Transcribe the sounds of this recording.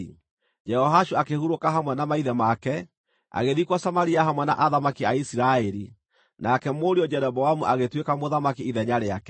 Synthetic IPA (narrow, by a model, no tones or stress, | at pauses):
d͡ʒɛhɔɦaʃuakehuɾokaɦamwɛnamaiðɛmakɛ | a̰ɣeðikwasamaɾiaɦamwɛna̰ʔaðamakiaisiɾaɛɾi | nakɛmoɾiɔd͡ʒɛɾɛbɔwamuʔaɣetwekamoðamakiiðɛɲaɾeakɛ